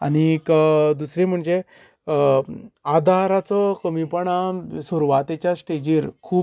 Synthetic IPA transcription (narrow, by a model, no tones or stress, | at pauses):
añikd̪usɾim̤əɳd͡ʑe | ad̪ʱaɾat͡sɔkəmipəɳasuɾuʋat̪et͡ɕjasʈed͡ʑiːɾkʰuː